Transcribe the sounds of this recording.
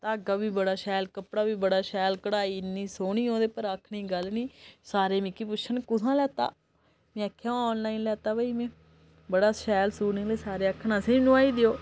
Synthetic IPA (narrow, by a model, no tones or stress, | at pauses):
t̪aːɡaːbiːbəɽaːʃɛːlkəpɽaːbiːbəɽaːʃɛːlkəɽaːiːnĩːsoːɳiːõːd̪eːpəɾakʰɳiːɡəlniːsaːɾeːmɪkːiːpʊʃʰənkʊsãːlɛːt̪a̰ː | mẽəkʰːjãːɔːnlaːiːnlɛːt̪aːbəiːmẽː | bəɽaːsɛːlsuːnɪŋleːsaːɾeːəkʰːnãːseːnũːaːiːd̪ɪjoː